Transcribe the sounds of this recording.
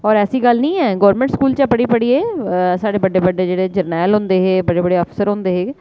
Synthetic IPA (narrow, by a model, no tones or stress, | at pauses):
ɔːɾɛːsiːɡəlnĩːɛːɡɔːɾmɛ̃ːɳʈskuːlt͡ʃapəɽiːpəɽiːeːsaːɽeːbəɖeːbəɖeːd͡ʒeːɽeːd͡ʒəɾnɛːlɦʊ̃nd̪eːɦeːbəɖeːbəɽeːəpsəɾɦõːnd̪eːɦeː